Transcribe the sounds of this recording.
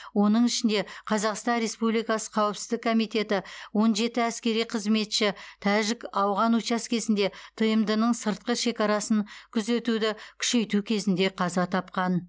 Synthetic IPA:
wo̞nəɴɪʃɪnd̪e̞qʰɑzɑqst̪ɑnɾe̞spublijkɑsə̥qʰɑwɪpsɪzd̪ɪkʰo̞mijt̪e̞t̪ɪwo̞nʒe̞t̪ɪæskʲe̞ɾijqʰəzme̞t̪ʃɪt̪ʰæʒɪkɑwʁɑnut͡ʃɑskʲʰe̞zɪnd̪e̞t̪ʰəjəmd̪ənəɴsəɾt̪̚qəʃe̞kʲɑɾɑsənkʲʰʏze̞t̪ud̪ɪkʲʰʏ̥ʃe̞jt̪ukʲʰe̞zɪnd̪e̞qʰɑzɑt̪ʰɑp̚qɑn

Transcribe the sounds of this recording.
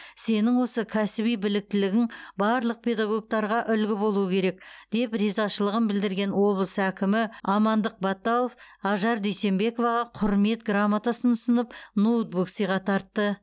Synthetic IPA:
se̞nɪŋwo̞səkʲʰæsɪbijbɪlɪk̚t̪ɪlɪɡʲɪŋbɑɾlˠəq̚pʰe̞d̪ɑɡo̞k̚t̪ɑɾʁɑʔʏlɡʲɪbo̞lˠuəkʲʰe̞ɾe̞k̚d̪̥e̞prʲizɑʃəlˠəʁənbɪld̪ɪɾɡʲe̞nwo̞blˠəsækʲɪmɪɑmɑnd̪əq̚bɑt̪ːɑlˠofɑʒɑɾd̪ejse̞mbe̞ko̞vɑʁɑqʰʊɾme̞t̪ɡramːat̪asənʊsənəpnowt̪̚buksijʁɑt̪ʰɑɾt̪ːə

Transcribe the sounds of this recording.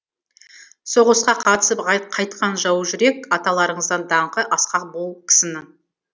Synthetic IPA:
so̞ʁəsqɑqʰɑt̪ə̥səpqʰɑjt̪qʰɑnʒɑwəʒʏɾe̞kɑt̪ɑlˠɑɾəɴəzd̪ɑnd̪ɑɴqəʔɑsqɑq̚bolˠkʲʰɪ̥sɪnɪŋ

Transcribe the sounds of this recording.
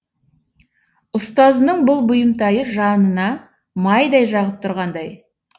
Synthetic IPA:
ʊst̪ɑzənəɴbʊlˠbʊjəmt̪ɑjəʒɑnənɑ | mɑjd̪ɑjʒɑʁəp̚t̪ʰʊɾʁɑnd̪ɑj

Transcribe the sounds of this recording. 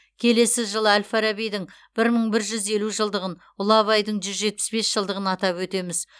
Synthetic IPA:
kʲʰe̞le̞sɪʒəlˠəælʲfaɾabijd̪ɪŋ | b̥ɪɾməɴbɪɾʒʏze̞luʒəlˠd̪əʁən | ʊlˠɑβɑjd̪əɴʒʏzʒe̞t̪̚pɪ̥sbe̞sʒəlˠd̪əʁənɑt̪ɑpwɵt̪e̞mɪz

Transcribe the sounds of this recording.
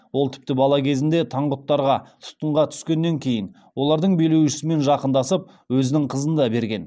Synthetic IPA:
wo̞lˠt̪ʰɪ̥p̚t̪ɪbɑlˠɑkʲʰe̞zɪnd̪e̞t̪ʰɑɴʁʊt̪ːɑɾʁɑt̪ʰʊ̥t̪ːəɴʁɑt̪ʰʏ̥skʲe̞nːe̞ŋkʲʰe̞jɪn | wo̞lˠɑɾd̪əɴbejle̞wʃɪ̥sɪme̞nʒɑqənd̪ɑsəp̚ | wɵzɪnɪɴqʰəzənd̪ɑbe̞ɾɡʲe̞n

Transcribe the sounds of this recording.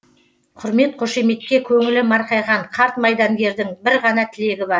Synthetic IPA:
qʰʊɾme̞t̪̚qʰo̞ʃe̞me̞t̪̚kʲe̞kʲʰɵŋɪlɪmɑɾqɑjʁɑɴqʰɑɾt̪mɑjd̪ɑŋɡʲe̞ɾd̪ɪŋbɪɾʁɑnɑt̪ʰɪle̞ɡʲɪbɑɾ

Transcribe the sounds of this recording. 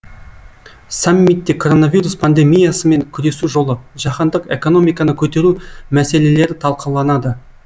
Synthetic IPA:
samːit̪ːekʰo̞ɾo̞navʲijɾuspʰand̪e̞mijasəme̞ŋkʲʰʏɾe̞suʒo̞lˠəʒɑqɑnd̪əqe̞̰ko̞no̞mijkɑnəkʲʰɵt̪e̞ɾumæse̞le̞le̞ɾɪt̪ʰɑlˠqʰɑlˠɑnɑd̪ə

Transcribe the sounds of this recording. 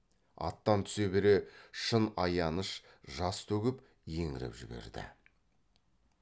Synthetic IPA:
ɑ̰t̪ːɑnt̪ʰʏ̥se̞be̞ɾe̞ʃənɑjɑnəʃ | ʒɑst̪ʰɵɡʲɪp | je̞ŋɪɾɪ̰pʒɪbe̞̰ɾd̪ɪ̰

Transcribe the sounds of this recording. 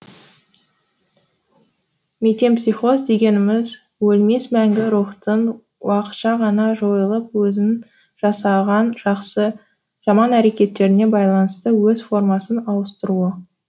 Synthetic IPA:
met̪e̞npsijχo̞zd̪e̞ɡʲe̞nɪmɪz | wɵlme̞smæŋɡʲɪɾuχt̪əɴ | wɑqə̥t̪ʃɑʁɑnɑʒo̞jəlˠəp̚wɵzɪn | ʒɑsɑʁɑnʒɑqsə | ʒ̥ɑmɑnæɾe̞kʲe̞t̪ːe̞ɾɪne̞bɑjlˠɑnəst̪əwɵzfo̞rmɑsənɑlˠəst̪əɾuə

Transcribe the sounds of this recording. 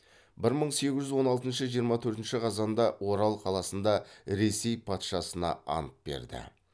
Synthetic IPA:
bɪɾməɴse̞ɡʲɪʒʏzwo̞nɑlˠt̪ənʃəʒijəɾmɑt̪ʰɵɾt̪ɪnʃɪqʰɑzɑnd̪ɑwo̞ɾɑlˠqʰɑlˠɑsənd̪ɑɾe̞se̞jpʰɑt̪ʃɑsənɑ̰ɑ̰nəp̚be̞̰ɾd̪ɪ̰

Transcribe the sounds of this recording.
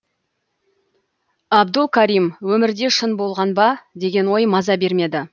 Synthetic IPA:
ɑbd̪əlˠkʲʰaɾijmwɵmɪɾd̪e̞ʃənbo̞lˠʁɑnbɑd̪e̞ɡʲe̞nwo̞jmɑzɑbe̞ɾme̞d̪ɪ

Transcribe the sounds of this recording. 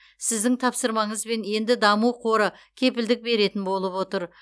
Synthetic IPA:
sɪzd̪ɪŋt̪ʰɑpsəɾmɑɴəzbe̞nje̞nd̪ɪd̪ɑmuqʰo̞ɾəkʲʰe̞pɪld̪ɪk̚be̞ɾe̞t̪ɪnbo̞lˠəpwo̞t̪əɾ

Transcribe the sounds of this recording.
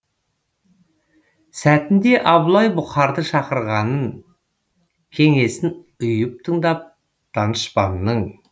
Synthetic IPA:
sæt̪ɪnd̪e̞ʔɑblˠɑjbʊχɑɾd̪əʃɑqəɾʁɑnən | kʲʰe̞ŋe̞sɪn | ʊjəp̚t̪ʰəɴd̪ɑp̚ | t̪ʰɑnəʃpɑnːəɴ

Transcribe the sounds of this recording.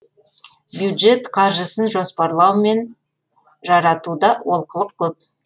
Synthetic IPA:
bjud̪ʒe̞t̪qʰɑʒəsənʒo̞spɑɾlˠɑwme̞n | ʒɑɾɑt̪ud̪ɑwo̞lˠqəlˠəq̚kʲʰɵp̚

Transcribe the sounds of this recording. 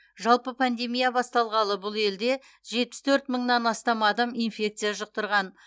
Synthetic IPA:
ʒɑlˠpəpʰand̪e̞mijabɑst̪ɑlˠʁɑlˠəbʊlˠe̞ld̪e̞ | ʒe̞t̪̚pɪ̥st̪ʰɵɾt̪məɴnɑnɑst̪ɑmɑd̪ɑminfʲe̞k̚t̪sijaʒəq̚t̪əɾʁɑn

